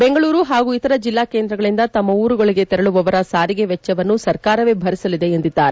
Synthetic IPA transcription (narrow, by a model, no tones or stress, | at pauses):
be̞ŋɡɐɭuːɾuɦaːɡuːit̪ɐɾɐd͡ʒilːaːkeːnd̪ɾɐɡɐɭind̪ɐt̪ɐmːɐuːɾuɡoɭiɡe̞t̪ɛɾɐɭuʋɐʋɐɾɐsaːɾiɡe̞ʋɛt͡ʃːɐʋɐnːusɐɾkaːɾɐʋebʱɐɾisɐlid̪e̞ːnd̪id̪ːaːɾe